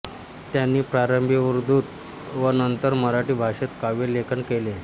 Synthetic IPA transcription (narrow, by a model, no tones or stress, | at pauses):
t̪janːiːpɾaɾəmbʱiʋuɾd̪uːt̪ | ʋənənt̪əɾməɾaʈiːbʱaʂet̪kaʋelekʰənkele